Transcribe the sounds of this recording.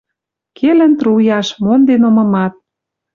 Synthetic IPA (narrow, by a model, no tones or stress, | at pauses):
kʰelə̆nt̪rujɑʃmond̪enomɤ̆mɑt̪̚